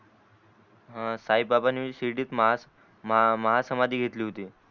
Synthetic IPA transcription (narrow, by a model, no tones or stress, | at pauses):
ɦãsaib̚babaniɕiʈiːt̪ | məɦasəmad̪ʱiːɡʱet̪liːɦot̪iː